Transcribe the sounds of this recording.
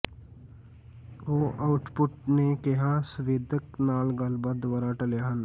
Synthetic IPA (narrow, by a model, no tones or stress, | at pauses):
oːʔaːʊʈpʊʈnekeɦãsʊʋed̪ʱəknaːlɡalbad̪ʋaːɾaʈəljaɦən